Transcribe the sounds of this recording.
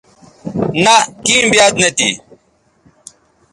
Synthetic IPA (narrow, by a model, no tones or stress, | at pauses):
nakĩːmbijaːd̪net̪ḭ